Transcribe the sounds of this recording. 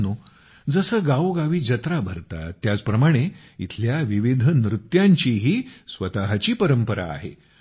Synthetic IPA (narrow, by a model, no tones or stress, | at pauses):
nu | d͡zəsəːɡaʋɡaʋiːd͡ʑət̪ɾabʱəɾt̪a̰ːjat͡spɾəmaɽ̃e | it̪ʰljaʋiʋid̪ʱənɾut̪jaɲt͡ɕiːɦiːsʋət̪aɦat͡ɕiːpəɾəmpəɾa̰ːɦḛ